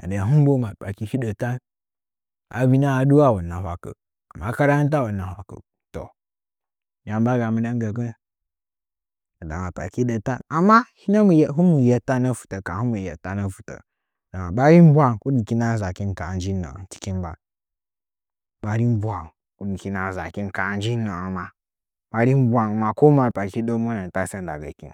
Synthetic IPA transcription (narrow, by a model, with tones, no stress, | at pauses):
a̰˨də˨a˨ɦu˦m˦bo˦ma˨pa˨ki˦hi˦də˨ta˦n | a̰˨bi˦na˦a˨du˦wa˦˨wu˨na˨hʷa˨kə̰˨ | a̰˨ma˦ka˦ɾa˦t̬a˦wu˨nːa˨hʷa˨kə̰˨ | to̰˨ | ja˨m˦ba˦ɡa˨mu˨da˦ŋ˦ɡə˨k̬ə˦ | a˨da̰˨ma˨pa̰˨ki˦də˨ta˦na˨mːa˦hi˦na˦mu˨˦ɦu˦mu˨je˦ta˦nə˦fu̥˨tə˨ka˨hu˦mu˨je˨ta˦nə˦˨fu˨tə̰˨ | da˨ma˨ba˦ɾi˦m̩˦bʷa˦ŋku˦di˨ki˦na˦˨za˨ki˦n˦ka˨n˦d͡ʒi˦na̰˨˦ti̥˦ki˦nba˨ | ba˨ɾi˦m˦bʷa˨ŋ | ku˦di˨ki˦na˨za̰˨ki˦n˦ka˨n˦d͡ʒi˦na˨ma˦ | ba˨ɾi˦m˦bʷa˨ŋ˨ma˨ko˦ma˨pa˨ki˦do˦mu˦na˨n˨ta˦se˦n˦da̰˨ɡa˨kḭ˦˨n